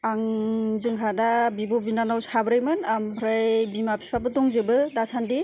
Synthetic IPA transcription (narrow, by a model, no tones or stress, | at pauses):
aŋzɯŋɦadabibɔbinanawshabɾɯjmɯnambʰɾajbimapʰi̥pʰabɯtɔŋzebɯdasandi